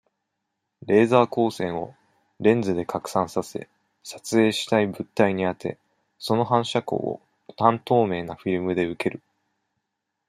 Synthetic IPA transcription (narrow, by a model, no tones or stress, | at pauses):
ɾe̞ːzaːko̞ːsẽ̞ɰ̃o̞ | ɾẽ̞nd͡zɨd̪e̞kakɯ̟̥sãɰ̃sase̞̰ | sḁt͡sɨe̞ːɕi̥t̪aibɯ̟t̪ːaiɲ̟iat̪ʰe̞̰ | so̞no̞ɦãɰ̃ɕako̞̰ːo̰ | t̪ãnt̪o̞ːme̞ːnaɸiɾɯ̟mɯ̟d̪e̞ɯ̟ke̞ɾɯ̟